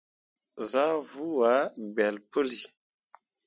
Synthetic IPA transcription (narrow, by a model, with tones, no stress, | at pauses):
za˦vu˦wa˨˦˨ɡ͡bɛ˨lpə˦li˨